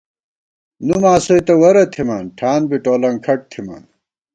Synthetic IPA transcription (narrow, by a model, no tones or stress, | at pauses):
numaːsojt̪ɐwɐɾɐt̪ʰimaːnʈʰaːnbiʈoːlɐŋkʰɐʈ̚t̪ʰima̰n